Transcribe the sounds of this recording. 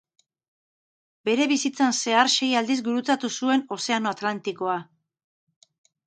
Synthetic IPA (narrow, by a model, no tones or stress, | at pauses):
be̞ɾe̞βisit͡sanse̞aɾʃe̞jald̪izɡuɾut͡sat̪usue̞no̞se̞ano̞at̪lant̪iko̞a